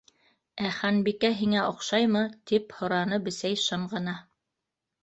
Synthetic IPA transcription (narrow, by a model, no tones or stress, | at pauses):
æχænbikæɦiŋæʔŏqʃɑjmɤt̪iphŏɾɑnɤbɘ̆sæjʃɤɴʁɤ̆nɑ